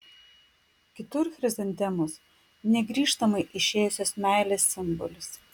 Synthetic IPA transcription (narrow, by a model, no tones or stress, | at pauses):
kʲɪt̪ʊɾxɾʲɛzʲɛnʲt̪ʲɛmʊs | nʲɛɡɾʲiːʃt̪ɐmɐɪʔɪʃʲeːjʊsʲoːsmʲæˑɪlʲeːsːʲɪmbɔ̰lʲʊs